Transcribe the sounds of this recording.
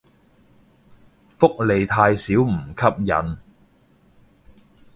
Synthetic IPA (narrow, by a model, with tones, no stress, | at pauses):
fʊ˥k̚le˨jt̪ʰaː˧jsiː˨˥wm̩˨˩kʰɐ˥p̚jɐ̰˨˥n